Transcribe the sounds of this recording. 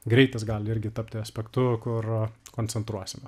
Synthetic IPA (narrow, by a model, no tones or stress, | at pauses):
ɡɾʲɛɪt̪ɐs̬ɡɑːlʲɪɪɾʲɡʲɪt̪ɐpʲt̪ʲɪɐsʲpʲɛkt̪ʊkʊrkoːnʲt͡s̪ʲsʲɛnt̪ɾuɔsʲɪmɐ